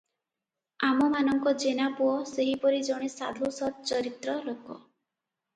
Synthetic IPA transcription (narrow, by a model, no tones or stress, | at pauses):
amɔmanɔŋkɔd͡ʒenapuɔseɦipɔɾid͡ʒɔɽ̃esa̰d̪ʱusɔt̪̚t͡ʃɔɾit̪ɾɔɾɔkɔ̰